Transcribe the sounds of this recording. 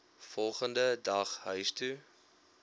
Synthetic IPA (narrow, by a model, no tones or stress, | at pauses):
fɔlˠχəndədɐχɦœɥstu